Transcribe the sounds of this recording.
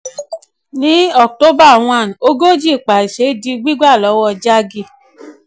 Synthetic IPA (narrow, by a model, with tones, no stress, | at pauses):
nĩ˦ɔ˦˨to˦ba˦˨w̃ɔ̃˧˦a˨n˨o˦ɡo˦d͡ʒi˦˨k͡pa˨i˨ʃe˨˦di˧ɡ͡bi˦ɡ͡ba˦˨lɔ˨˦wɔ˧d͡ʒa˦ɡi˧˨